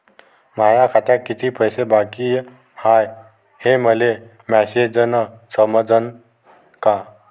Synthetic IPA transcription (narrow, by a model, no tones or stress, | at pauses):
majakʰat̪akːit̪ʰipəjsebakij | haj | heməle | mɛsed͡zənəsəməd͡zən | ka